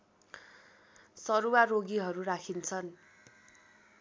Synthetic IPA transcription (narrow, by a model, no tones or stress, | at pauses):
sʌɾuwaroɡiɦʌɾuɾakʰint͡sʰʌn